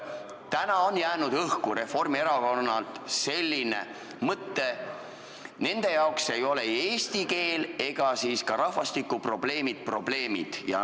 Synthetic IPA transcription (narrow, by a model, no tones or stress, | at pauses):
t̪ænɑo̞njæːnud̪̥ɤhkuɾe̞fo̞rmieɾɑko̞nːɑlt̪se̞lʲːine̞̰ | mɤt̪ːe̞ | ne̞nd̪̥e̞jɑokse̞jo̞le̞e̞ːst̪ike̞ːle̞ɡ̥ɑsiːskɑɾɑhvɑst̪ikːˑupro̞b̥le̞ːmid̪̥̚pro̞b̥le̞ːmḭd̪̥jɑ̰